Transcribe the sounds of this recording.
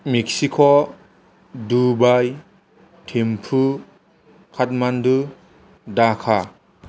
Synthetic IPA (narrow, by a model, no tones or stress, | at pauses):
mek̚sikʰɔ | dubaj | tʰempʰu | kʰat̚mandu | dakʰa